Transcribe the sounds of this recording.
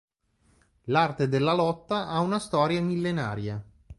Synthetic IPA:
lart̪ed̪elːalɔt̪ːaʔaunast̪ɔːɾjamilːenaːɾja

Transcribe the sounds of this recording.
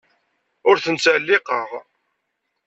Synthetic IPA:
ʊɾθənt͡sælːɪqəʁ

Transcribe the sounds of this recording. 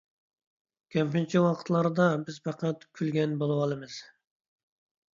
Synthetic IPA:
kʲʰɛmpint͡ʃʰiwɑqʰət̪lˠɑɾd̪ɑbɪzfɑqæt̪kʲʰylɡʲɛnbolˠuwɑlˠɨmɨz̥

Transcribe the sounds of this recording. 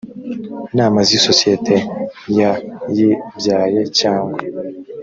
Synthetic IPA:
naːmaziso̞sietʰe̞jajibjaːjecaːŋɡwe

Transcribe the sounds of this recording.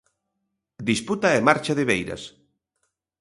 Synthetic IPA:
d̪isput̪aemaɾt͡ʃaðeβejɾɐ̰s

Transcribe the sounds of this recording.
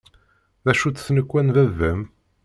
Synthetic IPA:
ðæʃut͡ssnəkʷːænðævːəm

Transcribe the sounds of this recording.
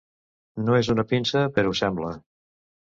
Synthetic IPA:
noezunəpinsəpəɾɔusɛmblə

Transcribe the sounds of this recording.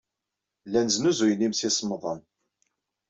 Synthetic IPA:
lːænznuzujənimsisˤmðˤən

